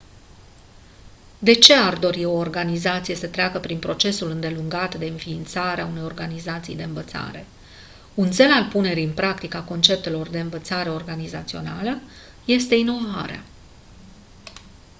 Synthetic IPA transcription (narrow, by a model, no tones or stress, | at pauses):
d̪e̞t͡ʃe̞ard̪o̞ɾio̞ːrɡanizat̪sije̞sət̪ɾeakəpɾinpɾo̞t͡ʃe̞sulɨnd̪e̞luŋɡat̪d̪e̞ɨnfiːnt̪saɾeaune̞jo̞rɡanizat̪sḭjd̪e̞ɨnvət̪sa̰ɾe̞̰ | unt̪se̞lalpune̞ɾiɨnpɾakt̪ikako̞nt͡ʃe̞p̚t̪e̞lo̞rd̪e̞ɨnvət̪saɾe̞o̞rɡanizat̪sio̞̰nalə | je̞st̪e̞ino̞va̰ɾea̰